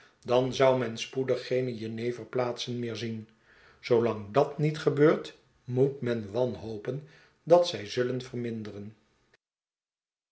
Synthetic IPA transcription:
dɑnzʌwmɛnspudəχːejnəjənejvərplaːtsənmɪːɹzin | z̥owlɑŋdɑtnitχəbøːɹt | mutmɛnʋɑnɦowpən | dɑtsɛjzɵlənvərmɪndərən

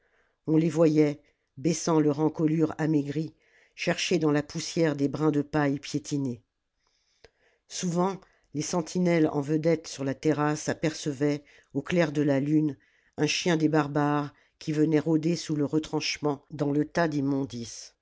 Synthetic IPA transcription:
ɔ̃levwajɛ | bɛsɑ̃lœʁɑ̃kɔlyʁameɡʁi | ʃɛʁʃed̪ɑ̃lapusjɛʁd̪ebʁɛ̃d̪əpajpjet̪ʰine | suvɑ̃ | lesɑ̃t̪ʰinɛlɑ̰̃vəd̪ɛt̪syʁlat̪ɛʁasapɛʁsəvɛ | oklɛʁd̪əlalyn | ɛ̃ʃjɛ̃d̪ebaʁbaʁ | kʲʰivənɛʁod̪esuləʁət̪χɑ̃ʃmɑ̃d̪ɑ̃lət̪ad̪imɔ̃d̪is

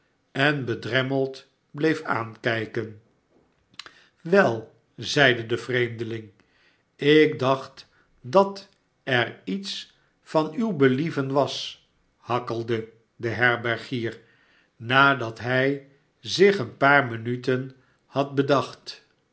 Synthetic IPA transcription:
ɛnbədrɛməlˠt | blejfa̰ːnkɛjkən | ʋɛlˠ | zɛjdədəv̥rejmdəlɪŋ | ɪk̚dɑχt | dɑt | ɛrits | fɑnywbəlivənʋɑs | hɑkəlˠdə | dəɦɛɹbɛɹχiːɹ | naːdɑtɦɛj | zɪχənpaːɹmənytən | hɑt̚bədɑχt

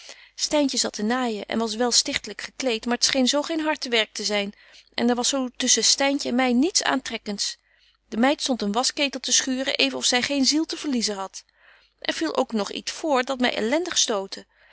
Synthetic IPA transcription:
stɛjncəzɑtənaːjəʔɛ̰nʋɑs̬ʋɛlˠstɪχtələkχəklejtmaːɹətsχejnzowχejnɦɑɹtəʋɛɹk̚təzɛjn | ʔɛ̰ndɛɹʋɑsowtɵsəstɛjncəɛnmɛjnitsa̰ːntrɛkənts | dəmɛjtstɔntənʋɑskejtəl̩ˠtəsχyːrə̰ʔejvənɔfsɛjχejnzilˠtəvəɹlizəɦɑt | ʔɛɹv̥ilˠʔo̰wknɔχḭtsfʊːɹdɑtmɛ̰jʔɛ̰lɛndəχstowtə

